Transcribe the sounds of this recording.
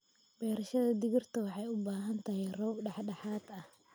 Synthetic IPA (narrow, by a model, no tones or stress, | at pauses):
bɛːɾɐʃɐðɐd̪ɪɣɪrt̪ʰɐwɑħɑjʊbaːɦɐnt̪ʰɐɦɛjrɔːbɖɑħɖɑħaːd̪ɐh